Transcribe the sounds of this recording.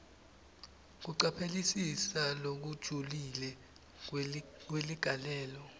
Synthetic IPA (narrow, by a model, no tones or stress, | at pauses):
k̬uǀapʰelisisalok̬ud̥ʒ̥ʱulilɛ | k̬weliɡ̥ʱalɛːlɔ